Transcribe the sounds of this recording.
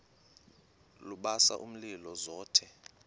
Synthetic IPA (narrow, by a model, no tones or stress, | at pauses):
luɓasa̰ʔum̩lilɔzɔːtʰɛ